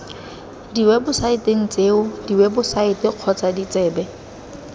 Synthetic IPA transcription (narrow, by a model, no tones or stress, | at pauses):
diwɛbʊsaɪteŋ̩t͡sʼeːʊdiwɛbʊsaɪtɪq͡χʰɔt͡sadit͡sʼɛːbɛ